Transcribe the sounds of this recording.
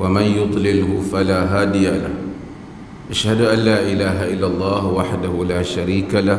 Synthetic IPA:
wamanjʊd̪ˤlɪlhʊfalaːɦaːd̪ɪjala̰h | ʔaʃhad̪ʔanlaːʔɪlaːɦaʔɪlːalˤːɑːhwaħd̪ahʊlaːʃaɾiːkala

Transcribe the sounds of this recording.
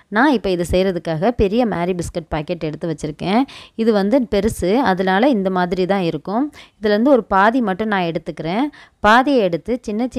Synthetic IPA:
nãːɪpːoːɪðɐsɛjɾɐðɯkːaːɣɐpɛɾɪjɐmaːɾibɪskɛʈ̚paːkːɛʈːɛɽɯt̪ːɯʋɐt͡ʃːɪɾɯkːẽːɪðɯʋɐnd̪ɯpɛɾɯsɯɐðɐlaːlɐɪnd̪ɐmaːðɪɾit̪ãːɪɾɯkːɯ̃ɪðɪlʋɐnd̪ɯɔɾɯpaːðimɐʈːʊ̃nãːɛɽɯt̪ːɯkːɪɾẽːpaːðɪjɐɛɽɯt̪ːɯt͡ʃɪnːɐt͡ʃ

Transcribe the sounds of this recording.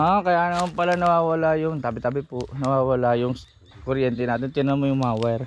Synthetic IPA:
ʔakɐjaːʔnɐmanpɐlanɐwaːwɐlajʊŋt̪aːbɪt̪aːbɪpʊʔnɐwaːwɐlajʊŋ | koɾjɛnt̪ɛnaːt̪ɪnt̪ɪnɐmojʊŋmawɛɾ

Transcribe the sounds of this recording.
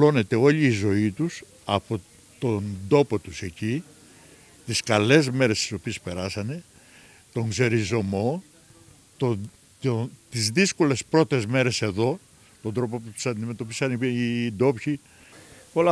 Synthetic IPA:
lo̞ne̞t̪e̞o̞ʎiːzo̞it̪us | ɐpo̞ | t̪o̞nd̪o̞po̞t̪use̞ci | t̪iskɐle̞zme̞ɾe̞st̪i̥so̞pie̞spe̞ɾɐsɐne̞ | t̪o̞ŋɡze̞ɾizo̞mo̞ | t̪o | t̪izðisko̞le̞spɾo̞t̪e̞zme̞ɾe̞se̞ðo̞ | t̪o̞nd̪ɾo̞po̞put̪u̥sɐnd̪ime̞t̪o̞pisɐniind̪o̞pçi | o̞lɐ

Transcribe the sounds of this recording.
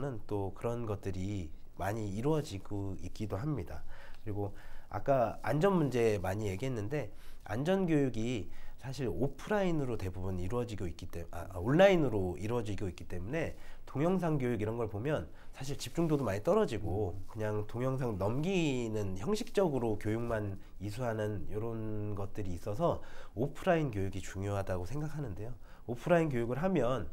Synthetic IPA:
nɯnt͈okɯɾʌnɡʌt̚t͈ɯɾimaɲiːɾuʌd͡ʑiɡoik̚k͈idoɦamɲida̰kɯɾiɡoa̰k͈aa̰nd͡ʑʌnmund͡ʑe̞maɲije̞ɡiɦe̞nːɯnde̞a̰nd͡ʑʌnɡjojuɡisʰaɕʰiɾopʰɯɾainɯɾote̞bubuniɾuʌd͡ʑiɡoik͈it͈ḛoɭːainɯɾoiɾwʌd͡ʑiɡoik͈i̥t͈e̞mune̞toŋjʌŋs̬ʰaŋɡjojuɡiɾʌnɡʌɭpomjʌn | sʰaɕʰiɭt͡ɕip̚t͡ɕ͈uŋdodomaɲit͈ʌɾʌd͡ʑiɡokɯɲaŋtoŋjʌŋs̬ʰaŋnʌmɡinɯnçjʌŋɕʰik̚t͡ɕ͈ʌɡɯɾokjojuŋman | isʰuɦanɯnjʌɾʌnɡʌt̚t͈ɯɾiːs͈ʌsʰʌopʰɯɾainkjojuɡit͡ɕuŋjoɦadaɡosʰe̞ŋɡakʰanɯnde̞jo | opʰɯɾainkjojuɡɯɭɦamjʌn

